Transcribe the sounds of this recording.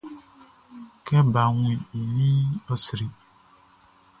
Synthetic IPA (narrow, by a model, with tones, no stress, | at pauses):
kɛ˦ba˨ŋũ˨˦i˨i˨li˦ɔ˦sɾi˨